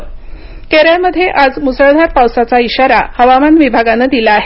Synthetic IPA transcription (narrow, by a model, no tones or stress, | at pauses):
keɾaməd̪ʱːjeʔad͡zmusəɭd̪ʱaɾpawsat͡saiɕaɾa̰həʋamanʋibʱaɡanəd̪ilaːɦe